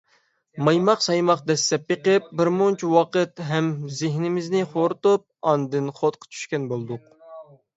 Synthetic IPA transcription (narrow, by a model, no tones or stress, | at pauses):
mɑjmɑqsɑjmɑqd̪ɛsːɛpjeqɨp̚bɪɾmont͡ʃʰiwɑqət̪ɦɛmzɪɦnɪmɪznɪχoɾt̪up̚ɑnd̪ɨnχot̪qʰə̥t͡ʃʰy̥ʃkʲɛnbolˠd̪ʊq